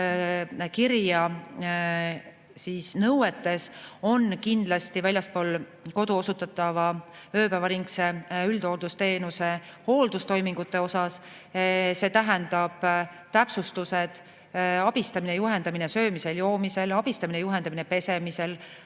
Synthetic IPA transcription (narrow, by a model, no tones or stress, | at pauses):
kiɾjɑ | siːsnɤwet̪ːˑe̞so̞nkind̪̥lɑst̪ivælʲjɑspo̞ːl | ko̞d̪̥uo̞sut̪ːˑɑt̪ːˑɑvɑ | ø̞ːpævɑɾiŋkse̞yld̪̥ho̞ld̪̥ust̪e̞ːnuse̞ho̞ːld̪̥ust̪o̞jmiŋɡut̪ːˑe̞o̞sɑs | se̞ːt̪æɦend̪̥ɑb̥ | t̪æpsust̪use̞d̪̥ | ɑb̥ist̪ɑminejuɦe̞nd̪ɑmine̞sø̞ːmise̞ljo̞ːmise̞lɑb̥ist̪ɑminejuɦe̞nd̪ɑminepe̞se̞mise̞l